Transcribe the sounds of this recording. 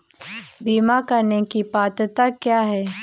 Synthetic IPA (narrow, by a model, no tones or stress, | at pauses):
biːmakəɾnekipaːt̪t̪akjaːɦɛː